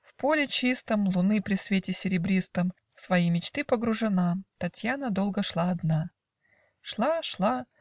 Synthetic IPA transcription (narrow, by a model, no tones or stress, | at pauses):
fpo̞lʲɪt͡ɕist̪əmlˠʊnɨpɾʲɪsvʲetʲɪsʲɪɾʲɪbɾʲist̪əm | fsvɐjimʲɪt͡ɕt̪ɨpəɡɾʊʐɨnat̪ɐtʲjanəd̪o̞lˠɡəʂlˠaːd̪na | ʂlˠaʂlˠa